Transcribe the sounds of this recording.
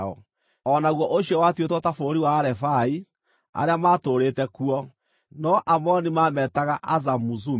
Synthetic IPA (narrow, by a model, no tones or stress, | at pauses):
ɔ̰ | ɔnaɣwɔʔoɕiɔwatiotɔtafoːɾiwaːɾɛfai | a̰ɾeamaːtoɾetɛkuɔ | nɔʔamɔnimaːmɛtaɣaʔazamuzu